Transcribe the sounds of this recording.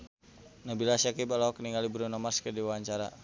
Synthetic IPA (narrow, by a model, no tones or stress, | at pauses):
nabilasakibalaɔkəniŋɡalibɾunamaskədiwawaɲt͡ʃaɾa̰